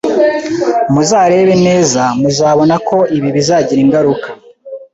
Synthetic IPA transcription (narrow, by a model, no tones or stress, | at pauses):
muzaːɾe̞βe̞ne̞ːzamuzaːβo̞nakʰo̞iβiβizaːɟiɾiŋɡaɾukḁ